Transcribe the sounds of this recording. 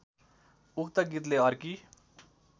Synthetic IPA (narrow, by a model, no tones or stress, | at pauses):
ukt̪ʌɡit̪̬leʌɾki